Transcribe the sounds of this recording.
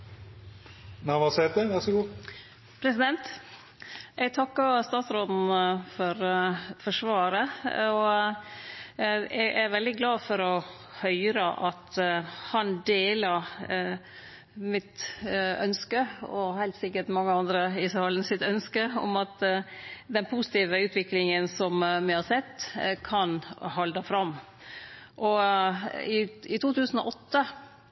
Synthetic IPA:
nɑʋɑsɛɾd̪ɛʋæɾʂɔɡuː | pʰɾɛsɪd̪ɛnt̪ | ʔɛɡt̪ʰɑkːəst̪ɑːt̪sɾoːd̪n̩fɔɾfɔʂʋɑːɾəɔ | ɛʔæɾʋɛld̪ɪɡlɑːfɔɾɔ | hœʏɾəʔɑt̪hɑnd̪eːlə | mɪt̪œ̰nskəɔhæɪlt̪sɪkːəʈmɑŋːəɑnd̪ɾəɪsəhɑlnəsɪt̪œnskəɔ̰mɑt̪ | d̪ɛnpʰusɪ̥t̪iːʋəʉːt̪ʰʋɪklɪŋənsɔmmɪhɑsɛt̪ːkʰɑnhɑld̪əfɾɑmː | ʔɔ | ɪɪt̪ʰuːt̪ʰʉːsən̩ɔʔɔt̪ːə

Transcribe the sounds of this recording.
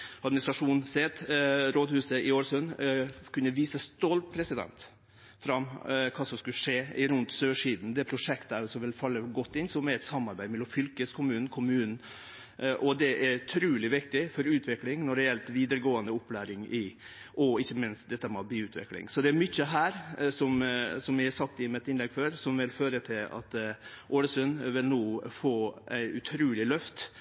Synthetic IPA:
ɑd̪mɪnɪst̪ɾɑʂuːnsɛt̪ɾoːd̪hʉːsəɪoːɾsʉnkʰʉnːəʋiːsəst̪ɔlt̪̚pʰɾɛsɪd̪ɛ̰nt̪ | fɾɑmkʰɑːsɔmskʉlʂeːɪɾʉnt̪søːʂiːd̪n̩d̪ɛpʰɾʊʂɛkt̪əæsɔmʋɪlfɑlːəɡɔt̪ːɪnsɔmɛɾɛt̪sɑmːɑɾbæɪmɛlːɔmfʏlkəskʰʊmʉːn̩kʰʊmʉːnn̩ | ʔɔd̪ɛʔɛɾʉt̪ʰɾʉːlɪʋɪkt̪ɪfɔɾʉːt̪ʰʋɪklɪŋnɔɾɛɛlt̪ʋiːd̪əɾəɡoːənd̪əʊpːlæːɾɪŋɪ | ʔɔɪçːəmɪnst̪d̪ɛt̪ːəmɑːbiːʉːt̪ʰʋɪ̰klɪ̰ŋsɔd̪ɛæɾmʏçəɦæːɾsɔmsɔmʋɪhæsɑk̚t̪ɪmɛt̪ɪnlɛɡføːɾsɔmʋɪlføːɾət̪ʰɪlɑ̰t̪ | ʔoːləsʉnʋɪlnoːfoːæɪʉt̪ʰɾʉːlɪlœft̪

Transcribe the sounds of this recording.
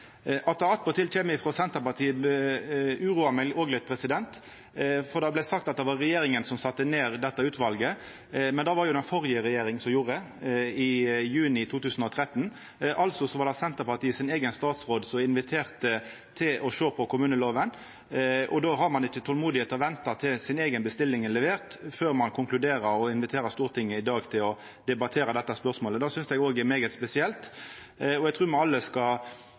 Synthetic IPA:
ʔɑt̪̚ɑɑt̪pɔt̪ʰɪlc͡çeːməɪfɾoːsɛnt̪əpɑt̪ʰiːəb | ʉːɾuːɑmɛlʔoːɡlət̪̚pʰɾɛsɪd̪ɛnt̪ | fɔɾd̪ɑblɛsɑk̚t̪ɑt̪̚d̪ɛʋɑɾɛjeːɾɪŋənsɔmsɑt̪ːəneːɾd̪ɛt̪ːəʉːt̪ʋɑlɡə | mɛnd̪ɑːʋɑɾjʊd̪ɛnfɔʁjəɾɛjeːɾɪŋsɔmjuːɾəə | ɪjʉːnɪt̪ʰuːt̪ʉːsənɔt̪ʰɾɛt̪ːən | ʔɑlsɔsɔʋɑːd̪ɑsɛnt̪əpɑt̪iːəsɪneːɡənst̪ɑːt̪sʁoːd̪sɔmɪnʋɪt̪ʰeːɾt̪ə | t̪ʰɪlʔɔʃoːpʰɔkʰʊmʉːnəloːʋən | ʔɔ̰d̪oːɦɑɾmɑnɪt͡ʃːət̪ʰɔlmuːd̪ɪheːt̪ɔʋɛnt̪ɑt̪ʰɪlsɪneːɡənbəst̪ɪlːɪŋəlɛʋeːʁt̪føːɾmɑnkʰʊŋklʉd̪eːɾəɾɔɪnʋɪt̪ʰeːɾəst̪uːʁt̪ʰɪŋːəɪd̪ɑːɡt̪ʰɪlɔ | d̪ɛbɑt̪ʰeːɾɑd̪ɛt̪ːɑspœʁsmoːləd̪ɑːsʏnsɛɡoːɡɛɾmeːɡət̪spɛsɪɛlt̪ | ɔɛɡt̪ʰʁʉːmɑɑlːəskɑ

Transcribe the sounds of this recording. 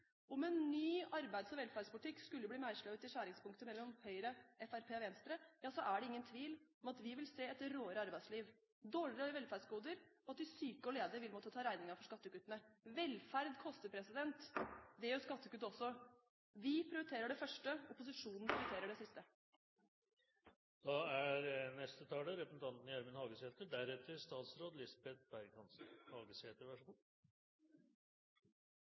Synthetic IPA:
ɔmɛnːyːɑɾbæɪd̪sɔmʋɛlfæɾɖspʊlɪt̪ʰɪkːskʉlːəbliːmæɪʂɭɑt̪ɪʂæːɾɪŋspʰʊŋkt̪əmɛlːɔmhœʏɾəɛfæɾpʰeːʋɛnst̪ɾəjɑːsɔʔæɖɛɪŋːənt̪ʰʋiːlɔmɑt̪ʋɪʋɪlseːɛt̪ɾoːəɾəɑɾbæɪd̪sliːʋ | d̪oːɭɪɾəʋɛlfæɖsɡuːd̪əɾɔɑt̪ʋɪsyːkəɔleːd̪əɾʋɪlmɔt̪ːət̪ʰɑːɾæɪnɪŋɑfɔʂkɑt̪ːəkʉt̪ːənəʋɛlfæɾd̪kʰɔst̪əpʰɾɛsɪd̪ɛnt̪d̪ɛæɾʊskɑt̪ːəkʉt̪ːɔsːɔ | ʋɪpʰɾɪʊɾt̪ʰeːɾəɖɛfœʂʈəʊpʊs̬ɪʂuːnn̩pʰɾɪʊʏt̪ʰeːɾəɖɛsɪst̪ə | d̪̥ɑæɾnɛst̪ət̪ʰɑːləɾɛpəsn̩t̪ʰɑnt̪njæɾmənhɑːɡəseːt̪əɖæɾɛt̪əɾst̪ɑːt̪sɾoːd̪lɪsbɛt̪̚bæɾkʰɑnsn̩hɑːɡəsheːt̪əɾʋæʂɔkɔ

